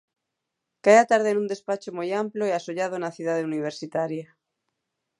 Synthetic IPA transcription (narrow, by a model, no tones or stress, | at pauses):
kajat̪aɾðenũnd̪e̞spat͡ʃomojamploeasoʎað̞onaθjuðaðeuniβ̞eɾsit̪aɾja